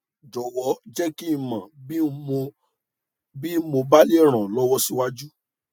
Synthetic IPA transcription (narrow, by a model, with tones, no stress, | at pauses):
d͡ʒɔ˨wɔ˨˦d͡ʒɛ˦ki˦i˦˧˨mã˨bi˦o˧ | bi˦mo˧ba˦le˦˨ɾ̃ã˨lɔ˦wɔ˦si˦wa˦d͡ʒu˦